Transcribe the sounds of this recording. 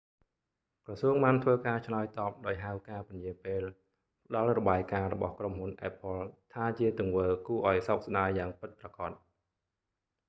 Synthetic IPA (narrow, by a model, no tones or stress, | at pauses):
krɑsuəŋɓaːnt̪ʰʋəːkaːt͡ɕʰlaɔjt̪ɑːp̚ɗaɔjɦawkaːpʊnjiəpeːl | pə̆ɗɑlrɔɓaːjkaːɾɔɓɑ̰hkromhunʔaɛpʰːolt̪ʰaːt͡ɕiət̪ʊ̆əŋʋəːkuəʔaɔjsok̚sɗaːəjaːŋpɨt̪̚prɑkɑt̪̚